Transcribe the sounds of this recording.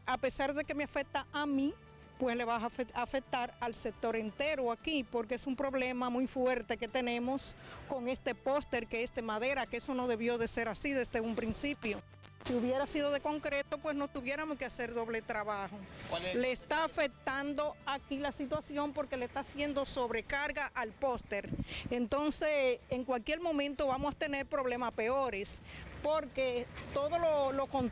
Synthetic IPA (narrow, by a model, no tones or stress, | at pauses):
ape̞saɾðe̞ke̞meafe̞k̚t̪aʔamĩ | pwe̞sle̞βaaeafe̞k̚t̪aɾalse̞k̚t̪o̞ɾent̪e̞ɾoakipo̞ɾkeesumpɾo̞βle̞mamujfwe̞ɾt̪e̞ke̞t̪e̞nẽ̞mo̞sko̞ŋe̞st̪e̞po̞st̪e̞ɾkeesd̪emaðe̞ɾakeeso̞no̞ðe̞βjo̞ðe̞se̞ɾasiðe̞sðeumpɾinsipjo̞ | siuβje̞ɾasið̞o̞ðe̞ko̞ŋkɾe̞t̪o̞pwe̞sno̞t̪uβje̞ɾamoskease̞ɾðo̞βle̞t̪ɾaβaholeːst̪aːfe̞k̚t̪and̪o̞akilasit̪wasjo̞mpo̞ɾke̞lest̪asje̞nd̪o̞so̞βɾe̞kaɾɣaʔalpo̞st̪e̞ɾent̪o̞nse̞seŋkwalkje̞ɾmõ̞mẽnt̪o̞βamosḁt̪e̞ne̞ɾpɾo̞βle̞maspe̞oɾe̞spo̞ɾke̞t̪oðo̞lolo̞kon